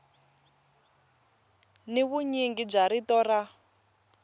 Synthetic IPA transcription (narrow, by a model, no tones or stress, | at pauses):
niβuɲiŋɡib͡ʐaɾitɔra